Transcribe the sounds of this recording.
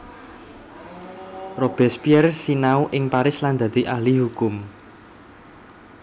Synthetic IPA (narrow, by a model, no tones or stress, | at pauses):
rob̥ɛ̤spiɛrsinauʔɪŋpaɾɪsland̪̥ä̤d̪̥i̤ʔahliɦukʊm